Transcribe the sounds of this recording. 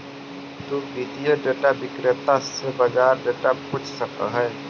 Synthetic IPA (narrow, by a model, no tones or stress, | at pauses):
t̪ubid̪ijəɖeːʈabɪkɾɪt̪asebɐd͡ʒaːɾɖeːʈapʊt͡ʃʰsɐk̚t̪a̰ɦɛː